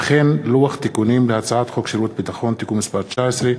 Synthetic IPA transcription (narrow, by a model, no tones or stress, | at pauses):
χenluaχt̪ikunimleat͡saat̪χokʃiɾut̪̚bit̪aχo̞nt̪ikumːispaʁt͡ʃaesʁe